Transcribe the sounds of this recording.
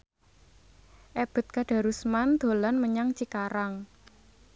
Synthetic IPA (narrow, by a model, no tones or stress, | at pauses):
ʔɛb̥ə̤t̪̚kaɖ̥a̤ɾusmand̪̥o̤lanməɲaŋt͡ʃikaɾaŋ